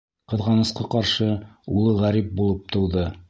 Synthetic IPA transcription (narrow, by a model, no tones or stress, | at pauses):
qɤ̆ðʁɑnɤ̆sqɑqɑɾʃɤulˠɤʁæɾip̚bulˠɤp̚t̪ŏwðɤ